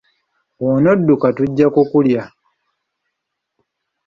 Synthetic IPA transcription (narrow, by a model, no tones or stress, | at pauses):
wonodːukatuɟːakukulja